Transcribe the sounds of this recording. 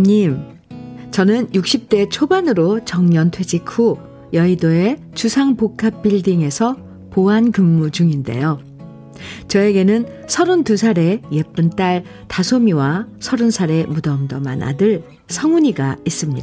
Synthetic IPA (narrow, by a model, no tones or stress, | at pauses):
ɲim | t͡ɕʌnɯnjuk̚ɕ͈ip̚t͈e̞t͡ɕʰobanɯɾot͡ɕʌŋɲʌntʰwe̞d͡ʑikʰu | jʌidoe̞ | t͡ɕusʰaŋpokʰap̚p͈iɭdiŋe̞sʰʌ | poɦankɯmːud͡ʑuŋinde̞̰jo | t͡ɕʌe̞ɡe̞nɯnsʰʌɾontusʰaɾe̞je̞p͈ɯnt͈aɭ | tasʰomiwasʰʌɾunsʰaɾe̞mudʌmdʌma̰na̰dɯɭ | sʰʌŋuɲiɡais͈ɯmɲida